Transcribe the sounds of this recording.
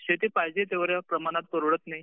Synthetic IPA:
ɕet̪iːpajd͡ʑet̪eʋəɾjapɾəmañat̪̚pəɾuɽət̪nai

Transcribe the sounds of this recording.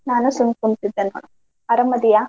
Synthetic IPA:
naːnusuŋkuɳt̪id̪ːenːo̰ːɳu | ɐɾɐmɐd̪ija

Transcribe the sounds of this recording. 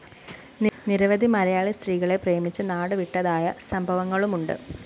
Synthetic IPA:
nniɾɐʋɐd̪ʱimɐɾɐjaːɭist̪riːɣɐɭe̞prejɐmit͡ɕːɨnaːɽɨʋiʈːɐðaːjɐsɐmbʱɐʋɐŋːɐɭumuɳɖɨ̰

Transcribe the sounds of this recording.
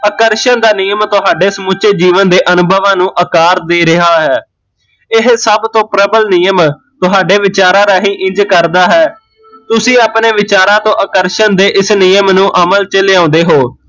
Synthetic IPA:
əkəɾʃənd̪aːniːjəmt̪ʊɦaːɖeːsəmʊt͡ʃeːd͡ʒiːʋənd̪eːʔənʊbʱəʋãːnũːʔəkaːɾd̪eːɾɪɦaːɦɛː | ɪɦsəbt̪õːpɾəbəlnijəm | t̪ʊɦaːɖeːʋɪt͡ʃaːɾãːɾaːɦiːʔɪ̃ɲd͡ʒkəɾd̪aːɦɛː | t̪ʊsĩːaːpneːʋɪt͡ʃaːɾãːt̪õːʔəkəɾʃənd̪eːʔɪsniːəmnũːʔəməlt͡ʃəleːãːnd̪eːɦoː

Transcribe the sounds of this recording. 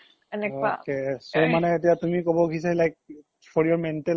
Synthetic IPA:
ɛnɛkoa̰kesomanɛet̬ijatumikobɔɡʱisalajk̚ | fʰɔɹijɔɹmɛntɛ

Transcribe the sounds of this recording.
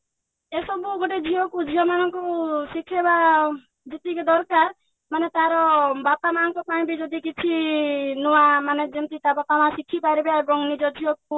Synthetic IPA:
esɔbuɡoʈed͡ʒʱiɔkud͡ʒiɦɔmanɔŋkɔsikʰːeba | d͡ʒit̪iked̪ɔɾkaɾ | manet̪aɾɔbapamanɔŋkɔpaĩbid͡ʒɔd̪ikit͡ʃʰinɔamaned͡ʒemt̪it̪abɔt̪amãsikʰːipaɾibeaɾɔŋnid͡ʒɔd͡ʒʱiɔk̚u

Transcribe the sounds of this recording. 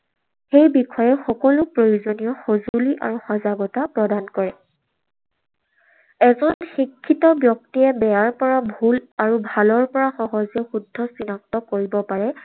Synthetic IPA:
xejbikɔjɛxɔkɔlʊpɹojuzonijɔxozuliʔa̰ɹuxɔzaɡɔtapɹɔdankɔɹɛ | ɛzɔnxikʰːitɔbjɔk̚tijɛbɛjaɹpɔɹabʱulaɹubʱalɔɹpɔɹaxɔɦɔzɛxudʱːɔsinak̚tɔkoɹibɔpaɹɛ

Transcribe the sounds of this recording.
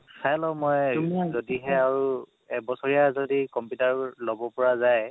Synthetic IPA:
sajlɔmojmzodiɦɛaɹu | ɛk̚bɔsɔɹijazodikɔmpjutaɹlɔbɔpɔɹazaj

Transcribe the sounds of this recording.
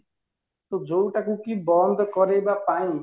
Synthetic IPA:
t̪od͡ʒowʈakukibɔnd̪ʱɔkɔɾebapaĩ

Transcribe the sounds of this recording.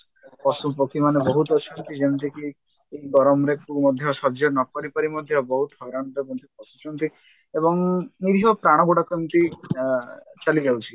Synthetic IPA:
pɔsupɔkʰimanebɔɦut̪ɔt͡ʃʰɔnt̪id͡ʒɛnt̪iki | eiɡɔɾɔmɾekumɔd̪ʱjɔʃɔd͡ʒɔnɔkɔɾipɔɾimɔd̪ʱjɔbɔɦut̪ɦɔjɾaɽ̃t̪ɔkɔnt̪ipɔsut͡ʃʰɔnt̪i | ebɔŋniɾiɦɔpɾaɽ̃ɔɡuɽakɔnt̪i | t͡ʃalid͡ʒawt͡ʃʰi

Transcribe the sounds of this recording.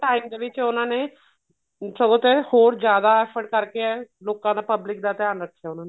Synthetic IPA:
ʈaːimd̪eːʋɪt͡ʃʊnãːneː | səɡõːt̪ehoːɾd͡ʒjaːd̪aːɛːpʰəɾɖkəɾkeɛːloːkãːd̪aːpəblɪkd̪aːt̪ɛjaːnɾəkʰːejaːʊnãːne

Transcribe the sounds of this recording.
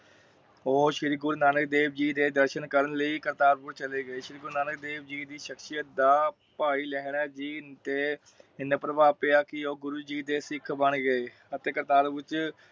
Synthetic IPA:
oːʃɪɾiɡʊɾnaːnək̚d̪eːbd͡ʒiːd̪eːd̪əɾʃənkəɾənləiːkəɾt̪aːɾpʊɾt͡ʃəleːɡəeːʃɪɾiɡʊɾnaːnək̚d̪eːʋd͡ʒiːd̪iːʃəkʃijət̚d̪aː | paːiːlɛːɦɳ̃ɛːd͡ʒiːt̪eː | ɪnəpɾəbaːpeːaːkɪoːɡʊɾuːd͡ʒiːd̪eːsɪkʰbəɳɡəeː | ət̪eːkəɾt̪aːɾpʊɾt͡ʃ

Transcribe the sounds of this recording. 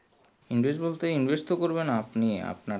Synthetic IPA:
inbesbolt̪einbʱest̪okoɾbenapniea̰pna

